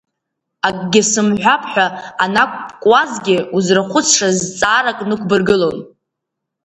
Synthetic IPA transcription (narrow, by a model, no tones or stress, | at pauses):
akʼɡʲɪsɨmħʷᶣapʰʼħʷᶣaanakʷʼpʼkʼwazɡʲɪuzraχʷʊt͡sʰʂazt͡sʼaːɾakʼnɨkʷbɨrɡɨlo̞n